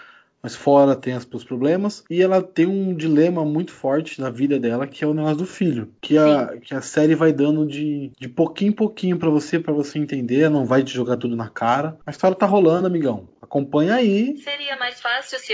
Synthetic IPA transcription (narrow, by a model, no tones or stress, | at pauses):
mɐsfɔɾɐt̪ẽj̃ɐspuspɾoblẽmɐsɪɛlɐt̪ẽj̃ũd͡ʒilẽmɐmũj̃t̪ʊ̥fɔɾt͡ʃɪnɐvid̪ɐd̪ɛlɐkɪɛʊneɡɔs̬ʊd̪ʊfiʎʊkʰɪɐkɪɐsɛɾɪvajd̪ɐ̃nd̪ʊd͡ʒɪd͡ʒɪpokĩɲʊpokĩɲʊpɾɐvosepɾɐvoseẽnt̪ẽnd̪eɾɛlɐnɐ̃w̃vajd͡ʒɪʒoɡaɾt̪ud̪ʊnɐkʰaɾɐɐist̪ɔɾjɐt̪aɦolɐ̃nd̪ʊamiɡɐ̃w̃akõpɐ̃ɲɐaiseɾiɐmajsfasi